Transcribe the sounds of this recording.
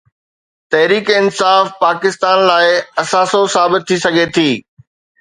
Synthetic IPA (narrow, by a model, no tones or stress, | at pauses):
t̪ɐɦɾiːkɪnsaːfpaːkɪst̪aːnlaːɪɐsaːsosaːbɪt̪̚t̪ʰːisɐɡʱet̪ʰiː